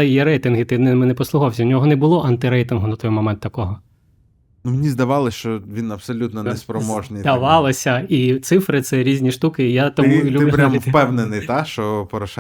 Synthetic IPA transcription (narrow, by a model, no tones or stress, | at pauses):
ɛjjiɾɛjt̪ɪnɦɪt̪ɪnɛmɛnɛpɔslˠʊɦɔwsʲɐwnʲɔɦɔnɛbʊlˠɔʔɐnt̪ɪɾɛjt̪ɪnɦʊnɐt̪ɔjmɔmɛnt̪ːɐkɔɦɔ | menʲizd̪ɐʋɑlˠɪsʲt͡ʃɔʋʲinɐpsɔlʲut̪nɔnɛspɾɔmɔʒnɪjd̪ɐʋɑlˠɪsʲɐit̪sɪfɾɪt̪sɛɾʲizʲnʲiʃt̪ukɪijat̪ɔmulʲuɪlʊpɾʲamfpɛwnenɪjt̪aʃt͡ʃɔpɔɾɐʃɛ